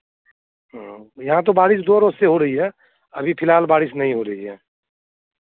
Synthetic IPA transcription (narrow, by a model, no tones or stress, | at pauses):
ɦãjəɦãt̪̬obaːɾɪsd̪oɾosseɦoɾəɦiɦɛ | əbʱipʰɪlɦaːlbaːɾɪsnəɦĩɦoɾəɦiɦɛː